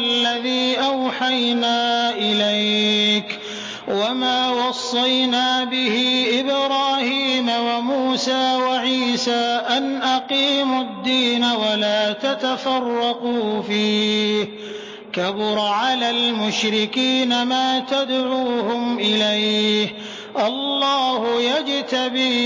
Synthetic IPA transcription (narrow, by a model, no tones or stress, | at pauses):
lːaðiːʔawħajnaːʔɪlajk | wamaːwɑsˤːɑjnaːbɪhɪʔɪbɾaːhiːmawamuːsaːwaʕiːsaːʔanʔaqiːmʊd̪ːiːnawalaːt̪at̪afɑrˤːɑquːfiːh | kabʊɾˤʕalalmʊʃɾɪkiːnamaːt̪ad̪ʕuːhʊmʔɪlajh | ʔɑlˤːɑːhʊjad͡ʒt̪abi